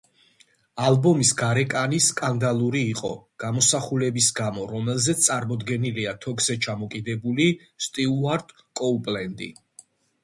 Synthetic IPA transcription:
albɔmisɡaɾɛkʼaniskʼand̪alˠuɾiːqʼɔ̰ɡ̥amɔsaχulɛbisɡamɔɾɔmɛlˠzɛt̪ssʼaɾmɔd̪ɡɛniliat̪ʰɔkzɛt͡ʃʰamɔkʼid̪ɛbuli | st̪ʼiuaɾt̪ʼ | kʼɔpʼlɛnd̪ḭ

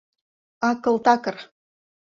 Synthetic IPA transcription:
ɑkɤ̆lˠt̪ɑkɤ̆r

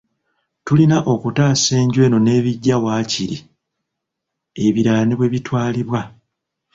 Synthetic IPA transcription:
tulinaʔo̞kutaːse̞ːɲɟwe̞ːno̞ne̞ːβiɟːawaːciɾi | e̞βiɾaːniβwe̞βitwaːliβwa

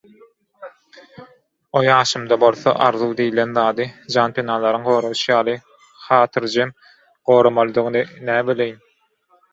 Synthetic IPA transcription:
ojɑːʃɯmd̪ɑbo̞lˠθo̰ʔɑɾðuwd̪ijlenðɑːd̪ɯd͡ʒɑːnpʰʲenɑːlˠɑɾɯŋɢo̞ːɾowʃɯjɑːlˠɯ | χɑːt̪ʰɯɾd͡ʒem | ɢ̥o̞ːɾomɑlˠɯd̪ɯɣɯnɯnæːbylʲejin

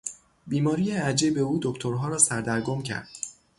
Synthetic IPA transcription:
biːmɒːɾiːjeæd͡ʒibe̞uːd̪o̞kt̪ʰoɾɦɒːɾɒːsæɾd̪æɾɡomcʰæ̰ɾd̪̥̚

